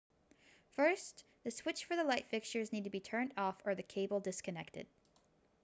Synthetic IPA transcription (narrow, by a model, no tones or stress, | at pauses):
fɜ˞s | ðɨswɪt͡ʃfə˞ðəlaɪtfɪkst͡ʃə˞znid̚tʰɨbitʰɜ̃˞ndɔfə˞ðɨkʰeɪbl̩ˠdɪskʰɨnɛk̚tɨ̰d̥̚